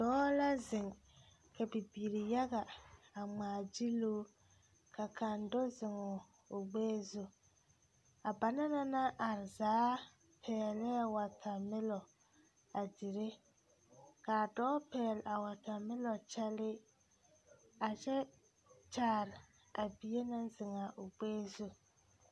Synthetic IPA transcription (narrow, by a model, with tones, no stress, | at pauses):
dɔː˦la˦zɪ˨ŋ | ka˨bi˨bi˨ɾi˨ja˦ɡa˨a˨ŋ͡maː˨d͡ʒi˦lu˦ | ka˨kʰa˨ndo˦zɪ˨ŋʊ˨ | ʊ˨ɡ͡beː˦zu˨ | a˨ba˨na˦na˦na˦ʔa˨ɾzaː˨˦ | pʰɛː˨lɛ˦˨wa˨tʰa˨mɪ˦lɔ˨ | a˨di˨ɾe˦ | ka˨dɔː˦pɛː˨la˨wa˨ta˨mɪ˦lɔ˨t͡ʃɛ˦lɪ˦ | a˨t͡ʃɛ˦ | t͡ʃaː˨ɾɪ˨ | a˨bi˨je˦na˦n˦zɪ˨ŋa˨ʔʊ˨ɡ͡beː˦zu˦